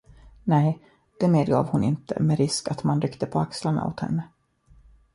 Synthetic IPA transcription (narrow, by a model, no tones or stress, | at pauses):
nɛj | d̪̥ɛmeːd̪ɡɑːvhʊnɪnt̪ʰə̰mɛɾɪskat̪manɾʏkt̪əpʰɔakslaɳa̰o̰ːt̪hɛ̰nːə